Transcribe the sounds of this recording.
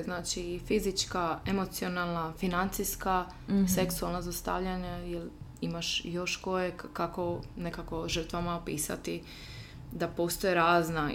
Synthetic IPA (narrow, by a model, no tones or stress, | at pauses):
znaːt͡ʃifizit͡ʃkaemot̪sio̞nalˠnafinant̪sijska | se̞ksualˠnazast̪a̰ʋʎaɲajelimaʃjo̞ʃko̞jekkako̞ne̞kako̞ʒr̩t̪ʋamaopiːsa̰t̪i | d̪apo̞ːst̪ojeɾaːzna